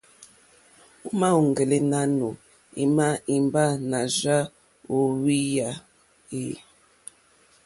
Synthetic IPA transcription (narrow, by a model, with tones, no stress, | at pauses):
u˦ma˦u˨ŋ˨ɡe˨le˦na˦nu˨ | ḭ˨ma˦i˨mba˦na˨ʒa˦ | o˨wi˦ja˨ | e˦˨